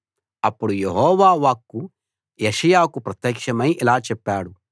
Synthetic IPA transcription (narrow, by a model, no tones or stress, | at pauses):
ɐpːuɽujeɦɔːʋaːʋaːkːu | jeʂɐjaːkupɾɐt̪jɐːkʂɐmɐjʔilaːt͡ʃɛpːaːɽu